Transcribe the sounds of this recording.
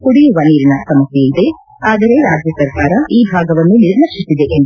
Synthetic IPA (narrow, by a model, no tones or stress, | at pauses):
kuɽiʋɐniːɾinɐsɐmɐsjeid̪e̞ | aːd̪ɐɾe̞ɾaːd͡ʒjɐsɐɾkaːɾɐʔiːbʱaːɡɐʋɐnːuniɾnɐkʂisːid̪e̞ʔend̪